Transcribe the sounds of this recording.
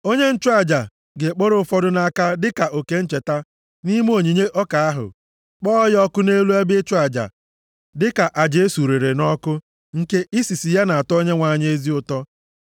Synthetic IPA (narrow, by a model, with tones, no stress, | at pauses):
o˦ɲe˦n̩˦t͡ʃʊ˦a˨d͡ʒa˨ | ɡe˨k͡po˦ɾʊ˦fɔ˦dʊ˦na˦ka˦dɪ˦ka˨ʔo˨ke˦n̩˦t͡ʃe˨ta˦ | ni˦m˦o˨ɲi˨ɲe˦ʔɔ˦ka˨a˦ɦʊ̰˨ | k͡pɔ˦jɔ˦kʊ˦ne˦lu˦ɛ˦bɪ˦t͡ʃʊ˦a˨d͡ʒa̰˨ | dɪ˦ka˨ʔa˨d͡ʒe˦su˨ɾe˨ɾe˨nɔ˦kʊ˦ | ŋ̩˦ke˦ʔi˦si˨si˨ja˦na˨a˨tɔ˦ɲe˦ŋʷa˨ɲ˦e˦zi˦ʊ˨tɔ˦